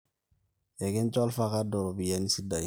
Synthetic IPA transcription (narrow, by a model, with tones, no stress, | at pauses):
ɛ˨kɛ̃˦ɲ˦t͡ʃɔ˦lfa˦ka˦dɔ˨ɾɔ˨bi˨ja˦ni˦si˦da˨je˨